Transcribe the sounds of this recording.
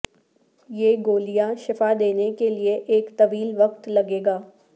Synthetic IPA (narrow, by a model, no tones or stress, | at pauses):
jeːɡoːlijãʃɪfad̪eːnekelieʔeːkt̪ɐʋiːlʋɐqt̪lɐɡeːɡaː